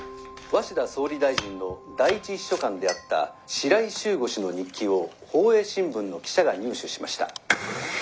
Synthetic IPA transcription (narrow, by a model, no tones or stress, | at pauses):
βaɕid̪aso̞ːɾʲid̪aiʑĩnːo̞d̪aiit͡ɕiiɕːo̞kãnd̪e̞at̪ːa̰ | ɕiɾaiɕɨːɡo̞ɕino̞ɲ̟ikʲːio̞ | ho̞ːe̞ːɕĩmbɯ̟̃nːo̞kʲi̥ɕaɡaɲ̟ɨːɕɨɕima̰ɕi̥t̪a̰